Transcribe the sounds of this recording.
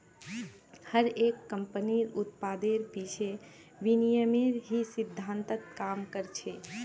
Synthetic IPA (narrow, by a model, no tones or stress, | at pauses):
həɾekːəmpəniɾut̪pad̪eɾpit͡ʃʰe | ʋinijəmeɾɦisid̪ʱːant̪ət̪kamkəɾt͡ʃʰe